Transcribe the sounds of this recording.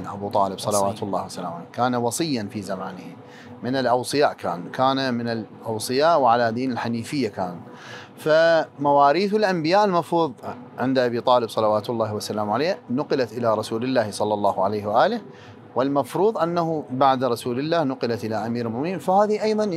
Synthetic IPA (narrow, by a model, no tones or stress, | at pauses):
nʔa̰buːt̪ˤɑːlɪbsˤɑlɑwaːt̪ʊlˤːɑːhwasalaːmʕaleːkaːnawɑsˤɨjːanfiːzamaːnɪhi | mɪnɪlʔɑwsˤɨjaːʔka̰ːnkaːnamɪnɪlʔɑwsˤɨjaːʔwʕalad̪iːnɪlħaniːfɪjːakaːn | famawaːɾiːθɪlʔambɪjaːʔɪlmɑfɾuːðˤ | ʕɪnd̪ʔabiːt̪ˤɑːlɪbsˤɑlɑwaːt̪ʊlˤːɑːhwasalaːmʕaleːnʊqlat̪ʔɪlaɾˤɑsuːlɪlːaːhsˤɑlːɑlˤːɑːhʕalajhwaʔaːlɪh | wɪlmɑfɾuːðˤʔanːahubaʕd̪ɾˤɑsuːlɪlːaːhnʊqɪlat̪ʔɪlaʔamiːɾlmʊʔmɪniːnfahaːðiʔɑjðˤɑn